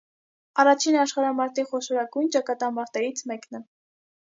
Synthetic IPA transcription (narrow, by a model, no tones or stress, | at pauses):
ɑrɑt͡ʃʰinɑʃχɑɾɑmɑɾt̪iχɔʃɔɾɑɡujnt͡ʃɑkɑt̪ɑmɑɾt̪ɛɾit͡sʰmɛknɛ